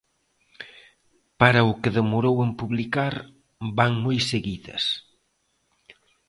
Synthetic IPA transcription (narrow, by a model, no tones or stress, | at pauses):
paɾɐʊkeðemoɾowempuβlikaɾ | baŋmojseɣiðɐ̰s